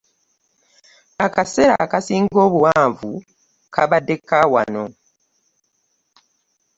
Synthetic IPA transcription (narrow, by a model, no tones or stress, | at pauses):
akase̞ɾa̰kasiːŋɡɡo̞ːβuwaːɱvu | kʰaβadːe̞kːawa̰no̞